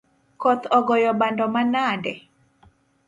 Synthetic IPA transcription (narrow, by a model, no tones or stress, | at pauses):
kɔt̪ʰɔɡɔjɔɓandɔmanadɛ